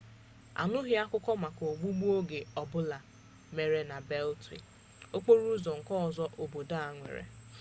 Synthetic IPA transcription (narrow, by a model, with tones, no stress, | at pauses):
a̰˨nʊ˦ɦɪ˦a˦kʷʊ˦kɔ˦ma˨ko˨ɡ͡bu˦ɡ͡bu˦o˦ɡe˨ɔ˨bʊ˦la˨ | me˨ɾe˨na˨be˦ltɾḭ˨ | o˦k͡po˦ɾu˦zɔ˨ŋ̩˨kɔ˦ɔ˨zɔ˦ʔo˨bo˨da˦a˨ŋʷḛ˨ɾḛ˨